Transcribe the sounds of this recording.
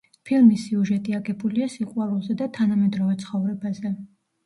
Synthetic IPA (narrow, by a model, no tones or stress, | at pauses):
pʰilˠmisːiuʒɛt̪ʼiaɡɛbuliasiqʼwalˠulˠzɛd̪at̪ʰanamɛd̪ɾɔvɛt̪sʰχɔvɾɛbazɛ